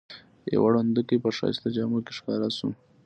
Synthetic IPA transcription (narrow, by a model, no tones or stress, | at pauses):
jḛwaɽand̪ukepəʂɑ̰st̪ad͡ʒɑːmukeʂkɑɾasu